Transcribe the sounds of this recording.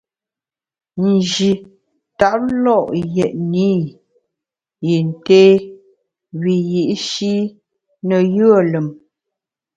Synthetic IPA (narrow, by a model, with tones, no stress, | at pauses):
n̩˨d͡ʒi˨ | ta˦˨p̚lɔ˦˨ʔjɛ˨ʔniː˦ | ji˨n˨teː˦ | wi˨ji˨ʔʃi˦ | nə˨jə˦ə˦˨lə˨m